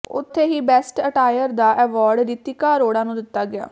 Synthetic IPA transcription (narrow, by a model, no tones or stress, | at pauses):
ʊ̰t̪ʰːeːɦiːbɛːsʈəʈaːjəɾd̪aːʔɛːʋaːɾɖd̪iːt̪ːiːkaːɾoːɽãːnũːd̪ɪt̪ːaːɡɪja̰ː